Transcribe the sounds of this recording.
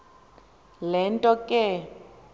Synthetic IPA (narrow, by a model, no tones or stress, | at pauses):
lɛntʼɔkʼɪ